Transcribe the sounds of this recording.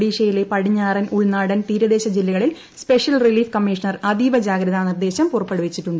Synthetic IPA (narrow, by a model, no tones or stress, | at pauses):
ɽiːɕɐjile̞pɐɽiɲːaːrɐnuɭnaːɽɐnt̪iːɾɐðe̞ːɕɐd͡ʑilːɐɣɐɭil | spe̞ʂjɐlriliːfkɐmːiʂɐnɐrɐd̪iːʋɐd͡ʑaːɡɾɐðanird̪eːɕɐmpurɐpːeɽuʋit͡ɕːiʈːuɳɖɨ